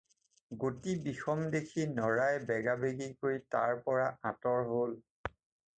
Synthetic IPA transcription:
ɡotibixɔmdekʰinɔɹajbɛɡabeɡikoɹita̰ɹpɔɹaatɔɹɦol

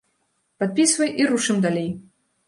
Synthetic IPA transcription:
pat̪̚pʲisvɐjʔiɾuʂɨmd̪alʲej

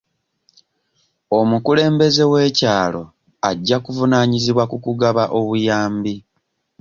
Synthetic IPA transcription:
o̞mukule̞ːmbe̞ze̞we̞ːcaːlo̞̰ | aɟːakuvunaːɲiziβwakukuɡaβaʔo̞βujaːmbi

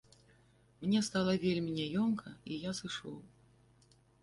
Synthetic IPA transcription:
mnʲɛst̪alˠɐvʲelʲmʲinʲɛjɔmkʰɐijasɨʂɔ̰w

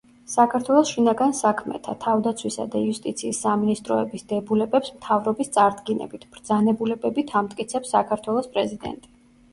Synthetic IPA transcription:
sakʰaɾt̪ʰwɛlˠɔsʃinaɡansakʰmɛ̰t̪ʰat̪ʰavd̪at̪sʰwisa̰d̪aiust̪ʼit̪sʰiːsːaminist̪ʼɾɔɛbisd̪ɛbulɛbɛpsmt̪ʰavɾɔbist̪sʼaɾd̪ɡinɛ̰bit̪ʰb̥ɾd̪zanɛbulɛbɛbit̪ʰamt̪ʼkʼit̪sʰɛpsakʰaɾt̪ʰwɛlˠɔspʼɾɛzid̪ɛ̰nt̪ʼi̥

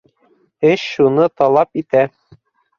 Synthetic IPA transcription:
ɘɕːunɤt̪ɒlˠɑpit̪æ

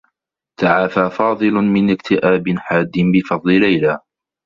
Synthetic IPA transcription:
t̪aʕaːfaːfɑːðˤɨlʊmɪnɪkt̪ʰɪʔaːbɪnħaːd̪ːɪnbɪfɑðˤlɪlajla

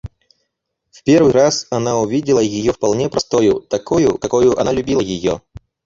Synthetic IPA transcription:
fpʲervɨɾasɐnaʊvʲidʲɪlˠəjɪjofpɐlˠnʲepɾɐst̪ojʊt̪ɐkojʊ̰kɐkojʊʔɐ̰nalʲʊbʲilˠəjɪjo̰

